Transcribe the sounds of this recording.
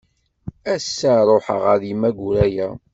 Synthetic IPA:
æsːaɾˤoħə̰ʁəðimæɡʷuɾæjæ

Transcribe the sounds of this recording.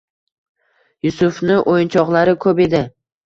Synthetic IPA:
jʊsʊfnɪʔojɪnt͡ʃʰɒqlˠaɾɪkʰɵpe̞d̪ɪ

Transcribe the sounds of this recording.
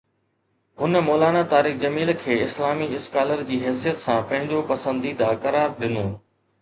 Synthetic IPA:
ɦʊnmɔːlaːnat̪aːɾiːxd͡ʑɐmiːlkʰeːɪslaːmiɪskaːləɾd͡ʑiːɦɛːsijət̪sãːpɐ̃ɦɪ̃ɲd͡ʑopɐsə̃nd̪id̪aːkɐɾaːɾɗɪnoː

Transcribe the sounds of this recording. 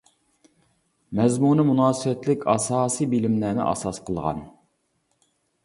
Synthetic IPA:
mɛzmunɪmunɑːsɨwɛt̪lɪkʲʰɑsɑːsijbilɪmlæːnɪ̰ʔɑ̰sɑsqʰəlˠʁɑ̰n

